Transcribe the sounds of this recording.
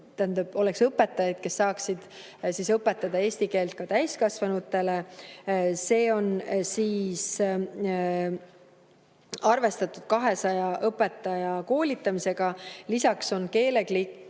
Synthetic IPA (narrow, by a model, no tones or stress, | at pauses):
t̪ænd̪ɑb̥o̞leksɤpːˑe̞t̪ːˑɑjɑd̪̥ke̞sːɑːksid̪̥ | sisɤpːˑe̞t̪ːˑɑd̪ɑe̞ːsʲt̪ike̞ːlt̪̚kɑt̪æjskɑsvɑnut̪ːˑe̞le̞ | se̞ːo̞nsiːs | ɑrve̞st̪ɑt̪ːˑud̪̥̚kɑɦe̞sɑjɑʔɤpːˑe̞t̪ːˑɑjɑko̞ːlit̪ːˑɑmise̞ɡ̥ɑlisɑkso̞nke̞ːle̞ɡlikː